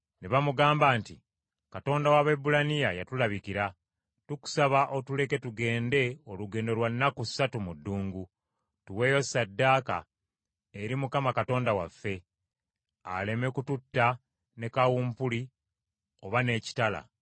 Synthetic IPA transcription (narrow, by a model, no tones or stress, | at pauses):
neβamuɡaːmbaːnti | kato̞ːndawaβebulanijajatulaβikiɾa | tuku̥saβaʔo̞tule̞ke̞tuɡe̞ːnde̞o̞luɡe̞ːndo̞lwanːakusatumudːuːŋɡu | tuwe̞ːjo̞sadːaːka̰ | eɾimukamakato̞ːndawafːe̞ | a̰le̞me̞kututːa | ne̞kawuːmpuli | o̞βane̞ːci̥tala̰